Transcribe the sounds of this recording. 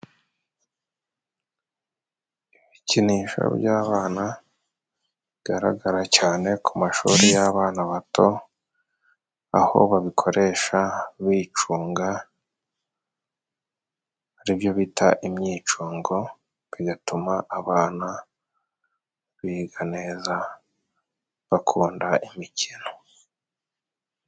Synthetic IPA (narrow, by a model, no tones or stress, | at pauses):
iβiciniːʃo̰ɾɟaːβaːna | iɡaɾa̰ɡaɾacaːne̞kʰumaʃṵːɾijaβaːnaβatʰo̞ | a̰ho̞̰βaβikʰo̞ɾe̞ːʃaβiːt͡ʃuːŋɡa | aɾiβjo̞βitʰaʔimɲiːt͡ʃuːŋɡo̞ | βiɡatumaʔːβaːna | βiɡaneːza | βakʰuːndaimicʰino̞